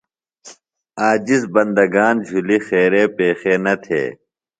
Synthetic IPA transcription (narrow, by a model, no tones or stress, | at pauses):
aːd͡ʑisbɐnd̪ɐɡaːnd͡ʑʱulixeːɾeːpeːxeːnɐt̪ʰḛː